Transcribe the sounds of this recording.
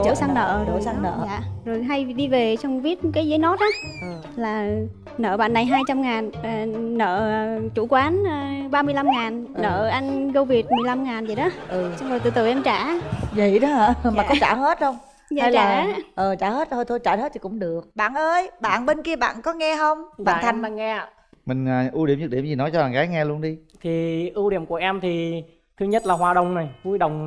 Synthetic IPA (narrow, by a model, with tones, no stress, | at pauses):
t͡ɕəː˧˩˦sa˧ŋnə̰ː˧˨zo˧˩sa˧ŋnə̰ː˧˨aː˧˨zo˨˩jɦa˧jɗi˧ve˨˩t͡ɕɔ˧wŋ͡mvi˦˥ət̚kaː˨˦jzəː˨˦jnɔ˦˥t̚ʔaː˨˦ʔə˨˩˨ | laː˨˩ | nə̰ː˧˨ɓa̰ː˧˨nːa˨˩jɦaː˧jt͡ɕa˧mŋaː˨˩n˨˩nə̰ː˧˨t͡ɕu˧˩kwaː˨˦nː˨˩ɓaː˧mɨ˧əjla˧mŋaː˨˩nnə̰ː˧˨ʔa˧jŋ̟ɣə˧wvi˨˩ət̚mɨ˨˩əjla˧mŋaː˨˩nzə˨˩jɗɔ˨˦ʔɨ˨˩sɔ˧ŋ͡mo˨˩t̪ɨ̰˧˨˩t̪ɨ̰˨˧˩ʔɛ˧mt͡ɕaː˧˩və̰˧˨jɗɔ˨˦aː˧˩maː˨˩kɔ˨˦t͡ɕa̰ː˧˩he˦˥t̚hxə˧wŋ͡m | ɲa˧a˧jlaː˧˨˩ʔəː˨˩t͡ɕaː˧˩he˦˥t̚t̪ʰo˧jt̪ʰjt͡ɕaː˧˩he˦˥t̪̚ʰi˧˨˩kʊ̰˧˥ŋ͡mɗɨ˨˩ək̚ɓa̰ː˧˨nʔəː˧jɓa̰ː˧˨nɓe˧nki˧əɓa̰ː˧˨nkɔ˨˦ŋɛ˧ɦə˧wŋ͡mɓaː˧˨nt̪ʰa˨˩jŋlaː˨˩ŋɛ˧˨ | mï˨˩ŋ̟əː˨˩ʔu˧ɗi˧˩əmzɨ˨˦˩ɗi˧˩əmzi˨˩nɔ˨˦jt͡ɕɔ˧aː˨˩ɣaː˨˦jŋɛ˧lu˧ənɗi˧t̪ʰi˨˩ʔɨ˧wɗḭ˧˩əmku˧˩əʔɛ˧mt̪ʰi˨˩ | t̪ʰɨ˧ɲə˦˥t̚laː˨˩ɦwaː˨˩ɗə˨˩wŋ͡mna˨˩jvu˧jɗə˨˩wŋ͡m